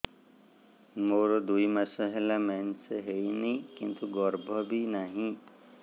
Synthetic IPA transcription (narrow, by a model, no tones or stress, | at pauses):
moɾɔd̪ujmasɔɦelamanseɦeinikint̪uɡɔɾbʱɔbinaɦĩ